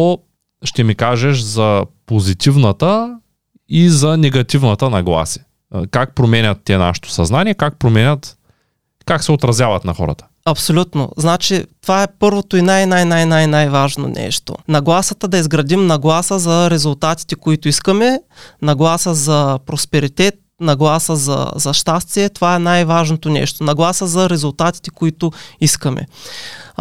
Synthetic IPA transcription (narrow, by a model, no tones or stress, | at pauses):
o | ʃt̪ɛmikaʒɛʃzɐpozit̪ivnɐt̪ə | izɐnɛɡɐt̪ivnɐt̪ənɐɡlˠa̰si̥ | kak̚pɾomɛnʲɐt̪ːiɛna̰ʃɛ̥t̪o̥sɐznaniɛkak̚pɾomɛnʲət̪ | kaksɛot̪ɾɐzʲjavɐt̪nɐxɔ̰ɾə̰t̪ə̥ | ɐpsolʲut̪no̰znat͡ʃit̪ovaɛpɤɾvot̪oinajnajnajnajnajvaʒno̰nɛ̰ʃt̪o̰nɐɡlˠasət̪əd̪ɐizɡɾɐd̪imnɐɡlˠasəzɐɾɛzʊlˠt̪at̪i̥t̪ɛkoit̪ʊiskəmɛnɐɡlˠasəzɐpɾospɛɾit̪ɛt̪̚nɐɡlˠasəzɐ̰zɐʃt̪ast̪viɛt̪ovaɛnajvaʒnot̪onɛ̰ʃt̪onɐɡlˠasəzɐɾɛzʊlˠt̪at̪i̥t̪ɛ̥koit̪ʊiskɐmɛ̰